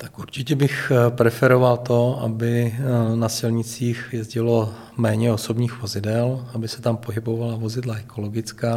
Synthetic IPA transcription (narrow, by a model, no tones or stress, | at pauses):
t̪ḁkʔuɾt͡ʃɪcɛbɪxpɾɛfɛɾo̞valt̪o̞ʔa̰bɪnasɪlɲɪt͡siːxjɛzɟɪlo̞ | mɛːɲɛo̞so̞bɲiːxvo̞zɪdɛlabɪsɛt̪ampo̞ɦɪbo̞valavo̞zɪdlaɛkʰo̞lo̞ɡɪt͡skaː